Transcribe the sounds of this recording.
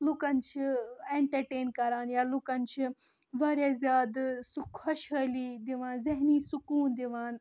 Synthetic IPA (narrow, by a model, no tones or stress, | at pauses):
lukɐnt͡ʃʰieɳʈɐɾʈeːnkɐɾaːnjaːlukɐnt͡ʃʰi | ʋaːɾjaːzjaːd̪sukʰɐʃɦəliːd̪iʋaːnzɐɦniːsukuːnd̪iʋaːn